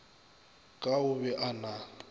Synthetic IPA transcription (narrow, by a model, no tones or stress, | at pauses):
kʼaʊbɛʔana